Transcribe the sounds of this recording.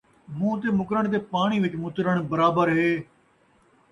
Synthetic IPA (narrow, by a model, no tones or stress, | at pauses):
mũːt̪̬eːmʊkɾəɳ̃t̪̬eːpaːɳ̃iːʋɪt͡ʃmʊt̪ɾəɳ̃bəɾaːbəɾɦeː